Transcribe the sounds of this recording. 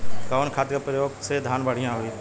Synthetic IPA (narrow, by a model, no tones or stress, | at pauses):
kaːnkʰaːt̪kapɾəjoːɡsed̪ʱaːnbəɽ̤ijãɦoiː